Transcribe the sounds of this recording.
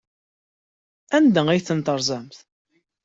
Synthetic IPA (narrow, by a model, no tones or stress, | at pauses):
ænd̪əijθənt̪əɾˤzˤæmθ